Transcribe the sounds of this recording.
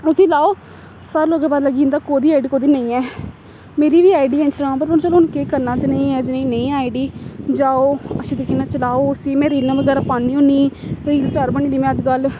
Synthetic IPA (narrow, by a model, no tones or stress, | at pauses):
ʊsiːlaːoː | saːɾloːɡãːbaːd̪ləɡĩːnd̪aːkoːd̪iːaːɪɖiːkoːd̪iːnəĩːɛː | meːɾiːʋiːaːɪɖiːensʈɾãːpəɾbəñt͡ʃəloːʊnkeːkəɾnaːd͡ʒnəĩːɛːd͡ʒnẽĩːnə̃ĩːaːɪɖiːd͡ʒaːoːəsid̪əkeːnãːt͡ʃəlaːoːʊsiːmɛ̃ːɾiːnãʋəɡɛːɾaːpaːniːõːniːɾiːlsəɾbəɳ̃ĩːd̪iːmɛ̃ːəd͡ʒɡ̪al